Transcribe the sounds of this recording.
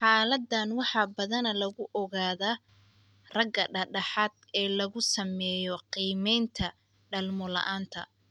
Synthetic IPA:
ħɑːlɐd̪ːɐnwɑħɑbɐðɐnɐlɐɣʊʔɔɣaːðaː | rɐɡɐɖɐɖɑħɑːd̪̚ɛːlɐɣʊsɐmɛːjɔqiːmɛjnt̪ʰɐ | ɖɐlmɔlɐ̰ʔaːnt̪ʰɐ̰

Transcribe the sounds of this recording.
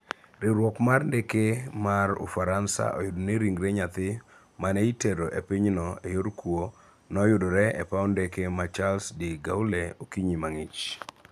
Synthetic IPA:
ɾɪɾwɔkmarndekemarʊ̰faɾansa̰ʔɔ̰jʊdneɾiŋɡɾeɲat̪ɪ | maneiteɾoʔepiɲnɔejoɾkwo | nɔjʊdɔɾɛɛpawndekemat͡ʃalsdiɡawleokiɲimaŋɪt͡ʃ

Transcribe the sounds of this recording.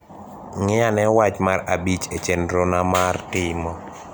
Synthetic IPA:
ŋɪanɛwat͡ʃmaɾabit͡ʃet͡ʃendɾonamartɪmɔ

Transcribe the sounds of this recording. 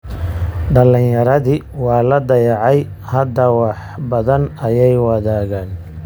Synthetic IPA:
ɖɐlɪnjɐɾɐðiː | wɑːlɐd̪ɐjɑʕɑj | hɐd̪ɐwɑħbɐðɐnɐjɛjwɐðaːɣaːn

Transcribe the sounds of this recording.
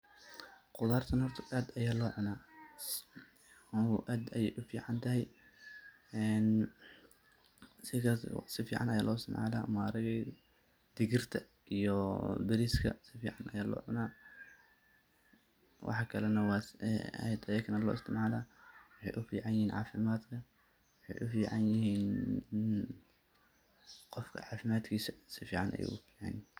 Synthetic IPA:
qʊðaːrt̪ʰɐnhɔrt̪ʰɐʔaːd̪ɐjaːlɔːʕʊnaː | ʔaːd̪ɐjɛjʔʊfiːʕɑnt̪ʰɐɦɛj | ɛn | sɪkɐsɪfiːʕɑnɐjaːlʔɔːɪst̪ɪmʕa̰ːla̰ːmaːɾɐɣɛ | d̪̥ɪɣɪrt̪ʰɐ | ʔijɔbɪɾiːskʰɐ̰sɪfiːʕɑnʔɐjaːlɔ̰ːʕʊ̰naː | wʔɑ̰ħɑkʰɐlɐnɐwɑːɛ̰jd̪ɐɛkʰɐnɐlɔ̰ːɪst̪ʰɪmʕaːlaːwɑħɑjʔʊfḭːʕɑnjɪhiːnʕɑ̰ːfɪmaːd̪kʰɐ | wɑħɑjʔʊfiːʕɑnjɪɦiːn | qɔfkʰɐ̰ʕɑːfɪmaːd̪kʰiːsɐsɪfiːʕɑnʔɐ̰jḛjʔʊfiːʕɑ̰n

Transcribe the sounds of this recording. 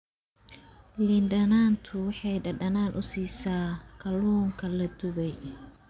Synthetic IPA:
lɪnɖɐnaːnt̪ʰʊwɑħɑjɖɐɖɐnaːnʔʊsiːsaːkʰɐluːŋkʰɐlɐd̪ʊβɛj

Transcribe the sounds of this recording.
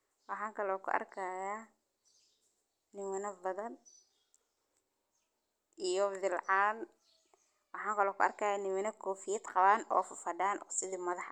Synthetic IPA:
wɑħɑːŋkʰɐlɔːkʰʊ̰ʔɐ̰rkʰaja | nɪmʊnɐbɐðɐn | ijɔðɪlʕaːn | wɑħɑːŋkʰɐlɔːkʰʊɐ̰rkʰajaːnɪmɪnɐkʰɔːfɪjɛd̪qɑβaːnɔ̰ːfʊfɐɖaːnɔsɪðiːmɐðɑħ

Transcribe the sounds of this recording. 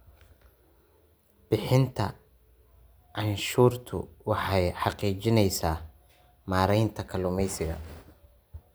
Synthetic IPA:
b̥ɪħɪnt̪ʰɐ̰ | ʕɑnʃuːrt̪ʰʊ̰wɑħɑjħɑqiːt͡ʃɪnɛjsaː | maːɾɛjnt̪ʰɐkʰɐlʊmɛjsɪɣɐ̰

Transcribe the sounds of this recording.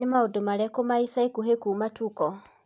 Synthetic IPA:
amaodomaɾɛkomaisaikuɦekumatukɔ

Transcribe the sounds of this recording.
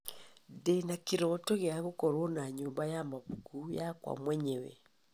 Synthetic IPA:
denakiɾotoɣeaɣokoɾonaɲoːmbajamaβuɡujakwa̰mwɛɲɛwɛ̰

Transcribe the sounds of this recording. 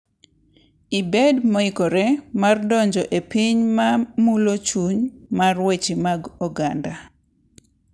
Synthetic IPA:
ibedmɔikɔɾemardɔɲd͡ʒɔʔepiɲmamulot͡ʃuɲmarwet͡ʃimaɡɔɡanda

